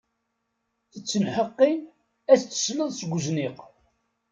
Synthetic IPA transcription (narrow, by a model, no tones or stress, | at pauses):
θət͡sːənħəqːin | æst͡sːə̥sləðˤsəɡʷzniq